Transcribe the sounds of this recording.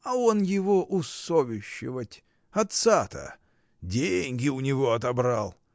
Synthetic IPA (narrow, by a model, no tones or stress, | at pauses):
ɐo̞njɪvo̞ʔʊsovʲɪɕːɪvətʲ | ɐt̪sat̪ə̰ | dʲenʲɡʲɪʊnʲɪvo̞ɐt̪ɐbɾalˠ